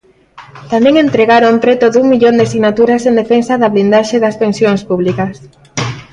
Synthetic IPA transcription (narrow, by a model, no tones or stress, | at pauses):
t̪amẽŋẽnt̪ɾeɣaɾomp̪ɾɛt̪oðuŋmiʎond̪ɪasiɣnat̪uɾasend̪efensaðaβlind̪aʃeðɐspensjoŋspuβlikas